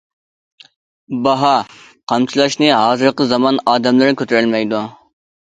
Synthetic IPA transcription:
bɑɦɑ | qʰɑmt͡ʃʰilˠɑʃnɨɦɑːzɨɾqəzɑmɑnɑːd̪ɛmlˠɨɾkʲʰøt̪ʰyɾɪlmɛjd̪u

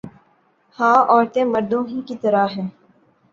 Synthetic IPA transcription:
hãːɔːɾt̪ẽmɐɾd̪õɦikit̪ɐɾaɦɛː

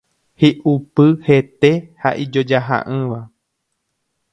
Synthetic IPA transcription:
hiʔupɨhe̞t̪e̞ha̰ʔid͡ʒo̞d͡ʒaɦa̰ʔɨ̃ʋa

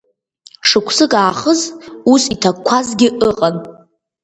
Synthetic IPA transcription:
ʂɨkʷʰsɨkʼaːχəzusitʰakkʷʰazɡʲɪʔəqʼan

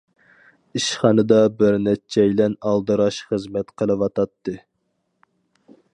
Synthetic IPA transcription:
iʃχɑnɨd̪ɑbɪɾnɛt͡ʃʰːɛjlɛnɑlˠd̪ɨɾɑʃχəzmɛt̪qʰəlˠɨwɑt̪ɑt̪ːɨ

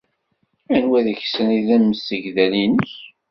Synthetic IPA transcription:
ænwæðəçsəniðæmmːəsəʝðælinəç

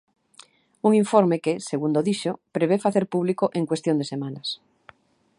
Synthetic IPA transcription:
uŋiɱfoɾmekeseɣund̪oðiʃopɾeβefaθeɾpuβ̞likoʔeŋkwest̪jond̪esemanas

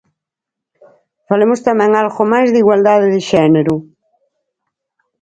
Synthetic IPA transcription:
falemʊst̪amɛ̃ŋalɣomajzðiɣwald̪aðɪðɪʃɛneɾʊ

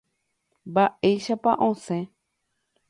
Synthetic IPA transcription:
baʔejʃapãʔõsẽ

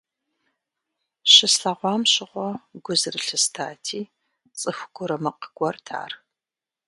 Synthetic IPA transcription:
ɕɪsɬɐʁʷɑːmɕɪʁʷɔɡʷʊzɨrɨɬɨstʰaːtʰiː | t͡sʼɨxʷɡ̥ʷʊɾɐmɐqəɡʷɔrtʰa̰ːr

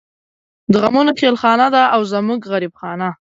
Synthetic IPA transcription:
d̪əɣamunoxelxɑnad̪aʔawzəmuɡɣaɾibxɑna

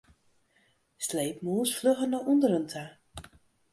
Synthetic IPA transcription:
slejp̚muːsfløɣənɔʔundəɾəntʰa

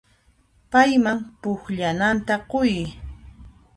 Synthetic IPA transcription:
pajmaŋpʊxʎanant̪aqoj

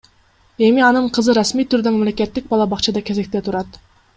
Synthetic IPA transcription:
e̞miɑnɯɴqʰɯzɯɾasmijt̪ʰyɾd̪ømɑmle̞kʲe̞t̪ːik̚bɑlˠɑbɑqt͡ʃɑd̪ɑkʲe̞ze̞k̚t̪e̞t̪ʰuɾɑt̪

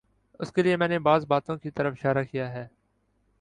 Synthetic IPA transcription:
ʊskeliemɛ̃ːneːbaːzbaːt̪õːkit̪əɾəfɪ̥ʃaːɾaːkijaːɦɛː

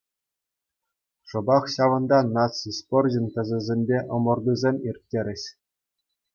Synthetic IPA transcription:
ʂɤ̆bɑχɕɑʋɤ̆nd̪ɑnɑt͡sisporʲʑɘ̆nʲt̪ʲɘ̆zʲɘ̆zʲemʲbʲeʔɤ̆mɤ̆rd̪uzʲemʲirʲt̚ʲːeɾʲɘ̆ɕ

